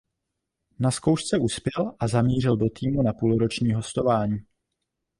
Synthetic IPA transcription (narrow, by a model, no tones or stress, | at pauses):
nasko̞wʃt͡sɛuspjɛlʔazamiːr̝ɪldo̞t̪iːmunapuːlɾo̞t͡ʃɲiːɦo̞st̪o̞vaːɲiː